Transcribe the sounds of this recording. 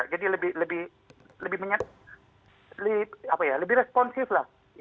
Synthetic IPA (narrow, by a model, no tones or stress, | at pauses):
aʔd͡ʒadiləbɪhləbɪh | ləbɪhmaɲat̪̚ | ləɪapajaləbɪɾɛspɔnsɪflah | j